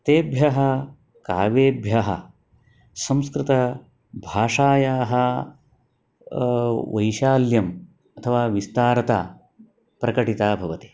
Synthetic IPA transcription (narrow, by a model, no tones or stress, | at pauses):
t̪eːbʱjɐɦɐ | kaːʋeːbʱjɐɦɐ̰ | sɐ̃mskɾɪt̪ɐ | bʱaːʂaːjaːɦɐ | ʋɐ̰jʃaːljɐm | ɐt̪ʰɐʋaːʋist̪aːɾɐt̪a̰ː | pɾɐkɐʈit̪aːbʱɐʋɐt̪i̥